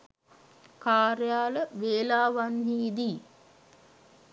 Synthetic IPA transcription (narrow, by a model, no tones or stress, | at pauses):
kaːɾjaːləʋeːlaːʋanɦiːd̪iː